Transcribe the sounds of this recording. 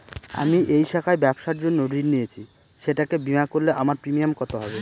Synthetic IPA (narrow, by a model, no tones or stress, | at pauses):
a̰miʔejʃakʰaebɛbʃaɾd͡ʑonːoɖiɾnijet͡ɕʰi | ʃeʈakebimakoɾleʔamaɾpɾimiamkɔt̪oɦɔbe